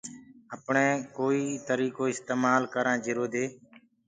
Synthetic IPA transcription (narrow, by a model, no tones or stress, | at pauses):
əpɳẽːkoːiːt̪əɾiːkoːɪst̪eːmaːlkəɾãːd͡ʒɪɾoːd̪eː